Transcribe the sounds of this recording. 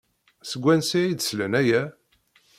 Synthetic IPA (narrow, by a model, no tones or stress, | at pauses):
səɡʷːænsiid̪slənæjæ